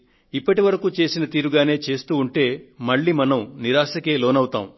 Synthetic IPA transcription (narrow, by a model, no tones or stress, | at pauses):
ipːɐʈiʋɐɾɐkuːt͡ʃe̞ːsinɐt̪iːɾuɡaːne̞ːt͡ʃe̞ːst̪uːɳʈe̞ːmɐɭːiːmɐnɐmniɾaːʃɐke̞ːloːnɐwut̪a̰ːm